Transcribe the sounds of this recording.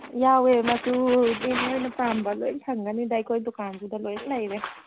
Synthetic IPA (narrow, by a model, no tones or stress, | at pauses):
jawematunimojnɐpɾambɐlojtʰaŋɡanidajkʰojdɔkandudɐlojlajɾe